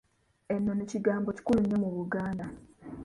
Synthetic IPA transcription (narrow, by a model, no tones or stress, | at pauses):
enːo̞neciɡaːmbo̞ci̥kuluɲːo̞muβuɡaːnda